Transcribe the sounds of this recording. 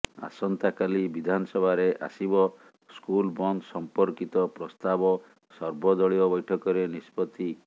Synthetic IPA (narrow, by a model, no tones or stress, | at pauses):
a̰sɔnt̪akalibid̪ʱanɔsɔbʱaɾeʔa̰sibɔ | skulbɔnsɔmpɔɾkit̪ɔpɾɔst̪abɔ | sɔɾbɔd̪ɔɭiɔbɔjʈʰɔkɔɾenispɔt̪i